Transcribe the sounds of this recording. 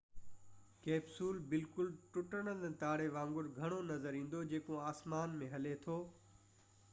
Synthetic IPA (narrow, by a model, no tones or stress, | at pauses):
keːbsuːlbɪlkʊlʈʊʈəɽ̃ən̆t̪aːɽeʋãːŋɡʊɾɡʱɐɽ̃onɐzəɾĩːn̆d̪od͡ʑeːkoaːsmaːnmẽɦɐlet̪ʰoː